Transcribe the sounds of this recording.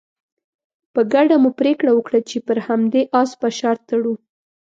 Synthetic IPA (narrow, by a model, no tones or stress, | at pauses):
pəɡaɖamupɾekɽawəkɽat͡ʃepəɾhamd̪eʔɑspaʃaɾt̪ːaɽu